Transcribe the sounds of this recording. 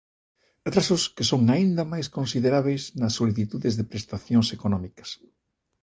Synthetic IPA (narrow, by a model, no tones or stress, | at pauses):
at̪ɾasʊskɪsoŋaind̪ɐmajskõnsiðeɾaβ̞ejznɐsːoliθit̪uðezðepɾest̪aθjõŋsekonɔmikɐ̥s